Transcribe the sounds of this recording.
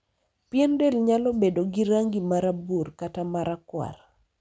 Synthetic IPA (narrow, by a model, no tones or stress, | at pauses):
pjɛndelɲalɔbedoɡiɾaŋɡimaɾaburkatamaɾakwa̰r